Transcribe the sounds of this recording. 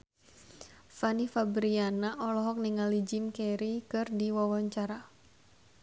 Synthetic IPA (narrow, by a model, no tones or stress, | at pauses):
fanifabɾianaʔɔlɔɦɔk̚niŋalid͡ʒɪmkeɾikɨrdiwawaɲt͡ʃaɾa